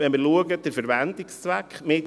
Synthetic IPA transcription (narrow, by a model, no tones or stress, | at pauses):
vɛnməɾluəɡəd̥əɾfɛɾʋæntikst͡sʋækχmeːt